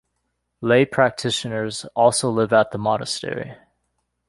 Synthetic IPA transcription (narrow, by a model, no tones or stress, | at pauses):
leɪpʰɹ̥æk̚tʰɪʃɨnə˞zɔlˠsoʊlɪvət̪̚ðəmɑnə̰stɛ̰ɹḭ